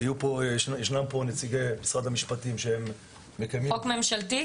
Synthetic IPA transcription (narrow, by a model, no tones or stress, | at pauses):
ajupojeʃnampo̞net͡siɡejmisʁad̪hamiʃpatimʃehemː | ekajmiokme̞mʃalt̪i